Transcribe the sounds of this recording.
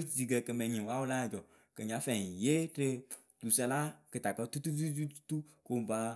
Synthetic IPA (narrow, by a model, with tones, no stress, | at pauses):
zi˨ɡɛ˧kɛ˨mɛ̃˨ɲĩ˨wa˦wo˦la˦˨d͡ʒɔ˨ | kɛ˨ɲ˨ã˨˦fɛ˨je˦tɪ˧ | tu˨sɛ˧la˦kɨ˨ta˨k͡pɛ˧t̪u˦t̪u˦vi˦zu˦tu̥˦t̪u˦ko˨ba˧